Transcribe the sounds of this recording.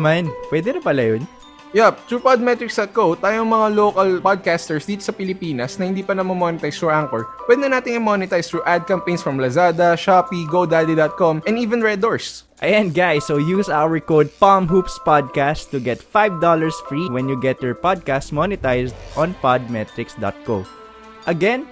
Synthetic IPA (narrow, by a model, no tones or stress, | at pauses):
manpwɛd̪ɛnɐpɐlɐjʊn | jɛp̚t̪ɾuːpad̪̚mɛt̪ɹɪksd̪ɐt̪̚kot̪aːjoɐŋmɐŋaloːkɐlpad̪̚kast̪ɛɹsd̪iːt̪osɐpɪlɪpiːnɐsnɐhɪnd̪iːpɐnɐmɐmonɪt̪ajst̪ɾuʔaŋkɔɹpwɛd̪ɛnaːt̪ɪŋɪmonɪt̪ajst̪ɾuʔad̪̚kɐmpẽj̃nsfɹɐmlɐzaːd̪ɐʃapiɡod̪alid̪ɐt̪̚kɔmɛ̃niːvɛ̃nɹɛd̪oɹsʔɐ̰ʔɛ̃nɡajsːojuːsawəɹkod̪̚pamɦupspad̪̚kast̪ːʊɡɛt̪fajvd̪ɔlɐɹsfɹiwɛ̃njuɡɛt̪̚jɔɹpad̪̚kastmɔnɪt̪ajsd̪ʔɔ̃npad̪̚mɛt̪ɾɪksd̪ɐ̰t̪̚ko | ʔɐɡɛn